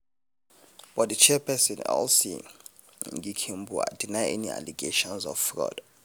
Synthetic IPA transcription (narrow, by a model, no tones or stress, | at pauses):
b̥ɔtdit͡ʃʰɛpʰɛsɔnɔ̰lsḭ | ŋɡikʰimbʱua̰d̥inajʔenia̰liɡeʃɔnzɔfrɔ̰d̥